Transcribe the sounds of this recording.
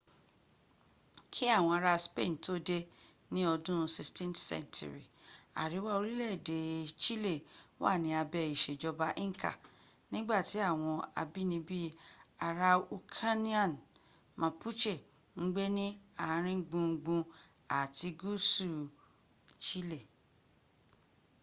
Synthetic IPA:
kʰi˦a˦˨w̃ɔ̃˧a˧ɾa˧spe˦˨n˨to˦de˧ | nĩ˦ɔ˧dũ˦˧si˧stɛ̃˦ntsɛ̰˦ntʰṵ˨ɾḭ˨a̰˨ɾi˨˦wa˦o˧ɾi˦lɛ˦˨de˨t͡ʃi˦le˦˨wa̰˦˨nĩ˨˧˦a˧bɛ˧˨i˨ʃe˨d͡ʒɔ˧ba˧ʔĩ˦ka̰˦˨ | nĩ˦ɡ͡ba˦˨ti˨˦a˦˨w̃ɔ̃˧a̰˧bi˦nĩ˧bi˦a˧ɾa˧u˧kʰa˦nĩ˦a˨n | mã˨pʰu˦t͡ʃe˦˨ | ŋ̩˦ɡ͡be˦nĩ˦a˨˦ɾ̃ĩ˦ɡ͡bũ˧ɡ͡bũ˧ | a̰˨ti˧ɡu˦su˦˨ | t͡ʃi˦le˦˨

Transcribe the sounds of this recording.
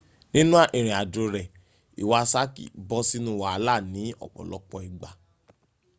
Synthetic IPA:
nĩ˦nũ˦a˦˨ʔi˨ɾ̃ĩ˨a˨do˧ɾɛ˨ | ḭ˨wa˦˧sa˦kḭ˨bɔ˧˦si˦nũ˦wa˨a˧˦la˦˨nĩ˨˦ɔ̰˦˨k͡pɔ̰˨lɔ˦k͡pɔ˧i˨ɡ͡ba˨

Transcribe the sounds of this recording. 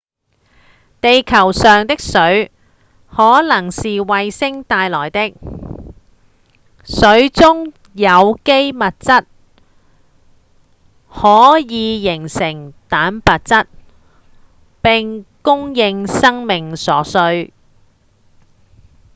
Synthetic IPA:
t̪e˨jkʰɐ˨˩wsœː˨ŋt̪ɪ˥k̚sɵ˨˥ɥ | hɔː˨˥lɐ˨˩ŋsiː˨wɐ˨jsɪ˥ŋt̪aː˧jlɔː˨˩jt̪ɪ˥k̚ | sɵ˨˥ɥt͡sʊ˥ŋ | jɐ˨˧wke˥jmɐ˨t̚t͡sɐ˥t̚ | hɔː˨˥jiː˨˧jɪ˨˩ŋsɪ˨˩ŋt̪aː˨˥npɐ˨t̚t͡sɐ˥t̚ | pɪ˨ŋkʊ˥ŋjɪ˧ŋsɐ˥ŋmɪ˨ŋsɔː˨˥sɵ˧ɥ

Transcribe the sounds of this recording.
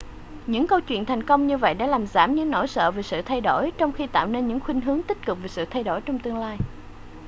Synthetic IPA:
ɲɨ̰˧˥ŋkə˧wt͡ɕwḭ˧˨ənt̪ʰa˨˩jŋ̟kə˧wŋ͡mɲɨ˧və̰˧˨jɗa̰ː˧˥laː˨˩mzaː˧˩mɲɨ̰˧˥ŋno̰˧˥˩jsə̰ː˧˨veː˨˩sɨ̰˧˨t̪ʰa˧jɗo̰˧˩jt͡ɕɔ˧wŋ͡mxi˧t̪a̰ː˧˨wne˧nɲɨ̰˧˥ŋxwi˧ŋ̟ɦɨ˨˦əŋt̪i˦˥k̟̚kɨ˨˩k͡p̚ve˨˩sɨ̰˧˨t̪ʰa˧jɗo˧˩jt͡ɕɔ˧wŋ͡mt̪ɨ˧əŋlaː˧j

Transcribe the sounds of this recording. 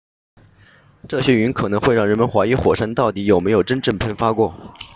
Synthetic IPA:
ʈ͡ʂɤ˥˩ɕjɛ˥y˧˥nkʰɤ˨˩nɤ˧˥ŋxwe˥˧ɪɻɑ˥˩ŋɻə˧˥nmə˧˥nxwa˧˥i˧˥xwɔ˨˩ʂa˥nt̪ɑ˥˩ʊt̪i˧˥jo˨˩ʊme˧˥ɪjo˨˩ʊʈ͡ʂə˥nʈ͡ʂɤ˥˧npʰə˥˩nfa˥kwɔ˥˩

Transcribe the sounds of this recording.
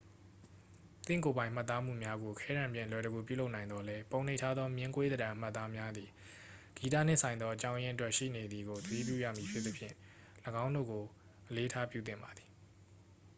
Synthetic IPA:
t̪ɪ̰̃˦˨ŋko˨bã˨ɪ̃m̥a˦˨t̪ːa˦m̥ṵ˦˨mja˦ɡo˨kʰɛ˦ɾã˨mpjɪ̃˦˨lwɛ˨ɾə˨ɡu˨pjṵ˦˨lo˦ʔnã˨ɪ̃nd̪ɔ˦lɛ˦põ˨ʊ̃n̥e˦ɪtʰa˦d̪ðɔ˦mjɪ̃˦ŋkwe˦d̪ədã˨ʔm̥a˦˨t̪ːa˦mja˦d̪ði˨ | ɡ̥i˨t̬ä̰˦˨n̥ɪ̃˦˨sã˨ɪ̃nd̪ɔ˦ʔət͡ɕã˦ʊ̃jɪ̃˦ətwɛ˦ʔʃḭ˦˨ne˨d̪ði˨ɡo˨t̪əɾḭ˦˨p̬jṵ˦˨jä̰˦˨mji˨pʰjɪ˦t̪ːə˦pʰjɪ̰̃˦˨ | ləɡã˦ʊ̃ndo̰˦˨ɡo˨ | ʔəle˦tʰa˦pjṵ˦˨t̪ɪ̰̃˦˨mba˨d̪ði˨

